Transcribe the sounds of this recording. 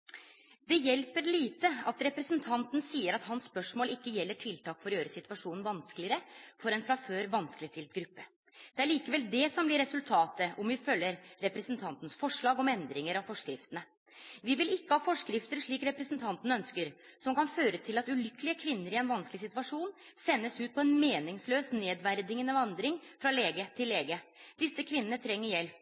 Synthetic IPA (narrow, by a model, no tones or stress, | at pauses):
d̪ɛjɛlpəɾliːt̪əɑt̪ɾɛpɾəsənt̪ʰɑnt̪nsiːəɾɑt̪hɑnsːpœʂmoːlɪkːəjɛlːəʈʰɪlt̪ʰɑːkfɔɾjøːɾəsɪt̪ʉʋɑʂuːnn̩ʋɑnskəlɪəɾəfɔɾɛnfɾɑføːɾʋɑnskəlɪst̪ɪlt̪ɡɾʉpːə | d̪̥ɛæɭiːkəʋɛld̪ɛsɔmblɪɾɛsʉlt̪ʰɑːt̪əʔɔmʋɪfœlːəɾːɛpɾɛsnt̪ʰɑnt̪nəsfɔʂɭɑːɡɔmɛnd̪ɾɪŋəɾɑʋfɔʂkɾɪft̪ənə | ʋɪʋɪlɪkːəhɑːfɔʂkɾɪft̪əɾʂɭiːkɾɛpɾɛsənt̪ʰɑnt̪ən̩œnskəɾsɔmkɑnføːɾət̪ʰɪlɑt̪ʉlʏkəlɪəkʰʋɪnːəɾɪɛnʋɑnskəlɪsɪt̪ʉɑʂuːnsɛnːəsʉːt̪̚pʰɔɛnmeːnɪŋsløːsneːd̪ʋæɾd̪ɪŋənəʋɑnd̪ɾɪŋfɾɑleːɡət̪ʰɪlːeːɡəd̪̥ɪsːəkʰʋɪnːənət̪ʰɾɛŋːəɾjɛlː